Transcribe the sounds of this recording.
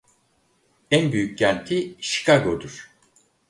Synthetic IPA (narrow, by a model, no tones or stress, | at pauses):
ænbyjyc̚ɟænt̪ʰiʃi̥kʰaɡod̪uɾ̥